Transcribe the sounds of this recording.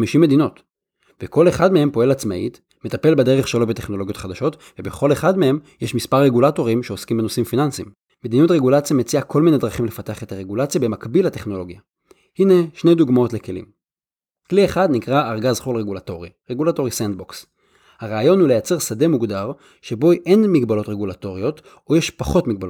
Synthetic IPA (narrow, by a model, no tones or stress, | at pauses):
amiʃime̞d̪ino̞t | beko̞leχadme̞he̞mpo̞e̞lat͡smaḭt̪ | me̞t̪ape̞lbede̞ʁeχʃelobete̞χnolo̞ɡjo̞t̪χadaʃo̞tvebeχo̞leχadmehe̞mjeʃmispaʁːe̞ɡulato̞ʁimʃeo̞skimbenosimfinansim | me̞d̪inutʁeɡulat͡sjamet͡siakʰo̞lmine̞d̪ʁaχimle̞fateaχe̞t̪aʁeɡulat͡sjabe̞makbilhate̞χno̞lo̞ɡja | hine̞ʃnejd̪uɡmao̞tle̞ke̞lḭm | klieχad̪nikʁaːʁɡazχulʁeɡulato̞ʁiʁeɡulato̞ʁisand̚boks | haʁaːjo̞nhule̞jat͡se̞ʁsade̞muɡdaʁ | ʃe̞bo̞iʔe̞nmiɡbalo̞tʁeɡulato̞ʁio̞t | ojeʃpaχo̞tmiɡ̚balo